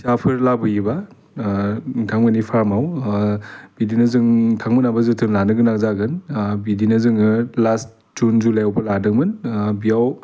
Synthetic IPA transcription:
sapʰɯɾlabɯjiba | tʰaŋmɯnipʰaɾmaw | bidinɯzɯŋtʰaŋmɯnabazɯtʰɯnlanɯɡɯnakzaɡɯnbidinɯzɯŋɯlast̚ | d͡ʒunzulajawbaladɯŋmɯnbijaw

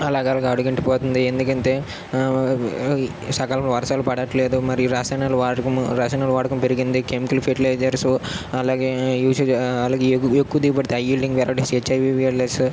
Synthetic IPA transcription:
ɐlaːɡeɐlɐɡɐɽuɡiɳʈipoːt̪und̪iend̪ukɐɳt̪eː | sɐkaːlɐmlɐʋɐɾsaːlupɐɽɐʈːleːd̪umɐɾijuɾaːsɐːjnaluʋaːʈɐkɐmɾaːsɐːnaːluʋaːʈɐkɐmpeɾiɡind̪ikemikɐlpʰeʈilɐjd͡ʒɐɾsɐlaːɡeːjuːt͡ʃɐlaːɡeːekːuʋɐd̪iːip̬ɐɽit̪eɐjiːlɖiŋɡʋɛlɐɽeset͡ʃːɐjʋiːʋiɐlɐɾs

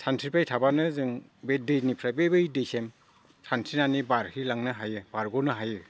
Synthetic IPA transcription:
sʰantʰɾipajtʰabanɯzɯŋbedɯjnipʰɾabebɯjdɯjsem | sʰansʰinanibaɾhilaŋnɯɦajɯbaɾɡɔnɯɦajɯ

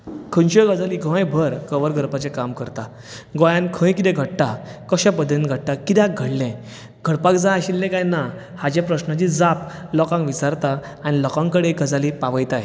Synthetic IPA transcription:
kʰə̃nɕɔɡəd͡zaliɡʱɔ̃jbʱəɾkəʋəɾɡʱəɾpat͡ɕɛkamkəɾt̪a | ɡɔ̃jãnkʰə̃jkit̪ɛ̃ɡʱəʈʈakəɕãpəd̪ʱẽnɡʱəʈʈ̪akit̪aɡʱəɽlɛ̃ | ɡ̥ʱəɽpakd͡zãaɕilːɛ̃kajna | had͡ʑɛ̃pɾəɕnat͡ɕid͡zaplɔkãŋkʋit͡saɾt̪a | añilɔkãŋkəɽeɡəd͡zalipaʋəjt̪aj

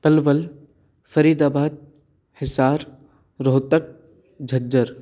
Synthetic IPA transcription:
pɐlʋəl | fɐɾiːd̪aːbaːd̪̚ | hɪsaːɾ | ɾoːt̪ək̚ | d͡ʒʱɐd͡ʒəɾ

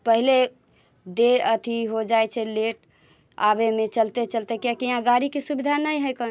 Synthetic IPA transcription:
pəɦile | d̪eɾət̪ʰiɦod͡ʒajt͡ʃʰɛleʈ | abemet͡ʃəlt̪et͡ʃəlt̪ekjakiãɡaɾikesubid̪ʱanəjɦəjkən

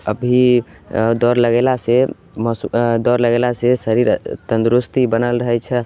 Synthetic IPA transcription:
əbʱi | d̪ɔɾləɡelase | mɔsd̪ɔɾləɡelasesəɾiɾt̪ənd̪ɾust̪ibənəlɾəɦɛt͡ʃʰɛ

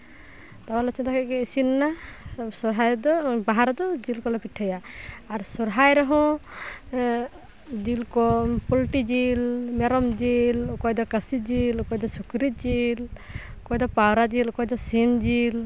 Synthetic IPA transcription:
t̪awalɔt͡ʃʰɔt̪ʰakɛkɛisinnasɔɾɦajd̪ɔbaɦaɾɔd̪ɔd͡ʒilkɔlɛpiʈʰajaːɾsɔɾɦajɾɔɦɔ̃ | d͡ʒilkɔpɔlʈid͡ʒilmɛɾɔmd͡ʒilkɔjd̪ɔkəsid͡ʒilkɔjd̪ɔsukɾid͡ʒilkɔjd̪ɔpawɾad͡ʒilkɔjd̪ɔsimd͡ʒil

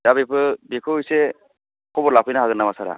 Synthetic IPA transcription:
dabepʰɯbikʰɯjse | kʰɔbɔɾlapʰɯjnaɦaɡɯnːamasaɾa̰

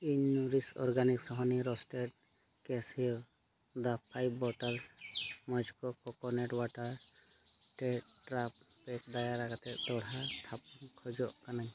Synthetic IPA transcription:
iɲuɾisɔ̰ɾɡaniksɔɦɔniɾɔsʈɛʈ̚ | kɛsi | d̪apʰajbbɔʈalsmɔd͡ʒkɔkɔkɔnɛʈwaʈaɾ | ʈɛʈɾap̚ | pɛk̚d̪ajaɾaɡat̪ɛʔd̪ɔɽat̪ʰap̚nkʰɔd͡ʒɔʔkanaɲ

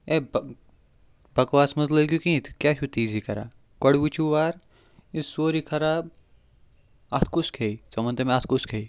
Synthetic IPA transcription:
eb | bɐkwaːsmɐzlɐɡjukĩːt̪ʰkʲjaːʃʰut̪iːzikɐɾa̰ː | kɐɽʋit͡ʃʰuʋaːɾ | isoːɾikʰɐɾaːb̚ | ɐt̪ʰkuskʰeit͡sɐmɐ̃nt̪emẽɐt̪ʰkuskʰeːi

